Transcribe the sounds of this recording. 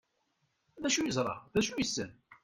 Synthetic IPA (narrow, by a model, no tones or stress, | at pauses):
ðæʃujəzˤɾˤɑ̰ðæʃujəsːən